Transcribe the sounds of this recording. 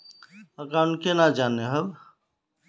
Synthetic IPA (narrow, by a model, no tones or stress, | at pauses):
əɡaʊnkenad͡ʒaːneɦəb